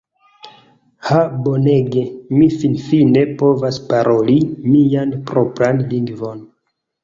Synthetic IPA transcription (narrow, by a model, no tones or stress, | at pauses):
habo̞neɡemifinfine̞po̞vaspaɾʔo̞limianpɾo̞pɾanliŋɡvo̞n